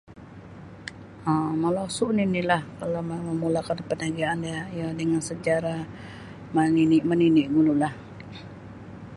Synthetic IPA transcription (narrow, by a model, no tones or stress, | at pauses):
əməlasuʔninilahkalaməməmulakanpənaɡaːnjajadəŋansəd͡ʒaɾa | məninɪʔməniniʔɡunulah